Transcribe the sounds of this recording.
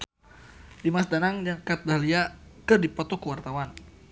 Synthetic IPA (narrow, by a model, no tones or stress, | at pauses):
dimasdanaŋd͡ʒaŋkat̪̚dahliakɨrdipɔt̪ɔkəwart̪awan